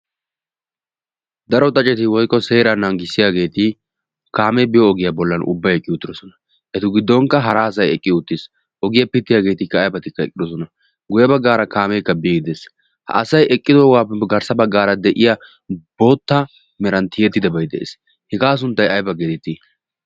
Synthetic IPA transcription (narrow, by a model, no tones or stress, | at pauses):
d̪ɐɾɔt̪ʼɐt͡ʃʼːɛt̪ɪwɔjkʼːɔse̞ːɾɐnaŋɡɪsːɪjaːɡe̞ːt̪ɪ | kaːmɛbɪjɔːɡɪjɐbɔlːɐnʔʊ̰bːɐjɛkʼːɪʊt̪ːɪɾɔsɔnɐ | ʔɛt̪ɪɡɪd̪ːɔŋkːɐɦɐɾaːsɐjɛkʼːɪʊt̪ːɪs | ʔɔɡɪjɐpɪt̪ːɪjaːɡe̞ːt̪ɪkːɐːjbɐt̪ɪkːɐɛkʼɪd̪ɔsɔnɐ | ɡʊjɐbɐɡːaːɾɐkaːmɛkːɐbiːɡɪd̪ɛs | hɐ̰ːsɐjɛkʼːɪd̪oːɡaːpːɛɡɐɾsɐbɐɡːaːɾɐd̪ɛʔɪja | b̥o̞ːt̪ːa | mɛɾɐnt̪ɪjɛt̪ːɪd̪ɐbɐjd̪ɛ̰ʔḛːs | hɪɡaːs̬ʊnt̪ːɐjɐjbɐɡet̪ɪt̪ːɪ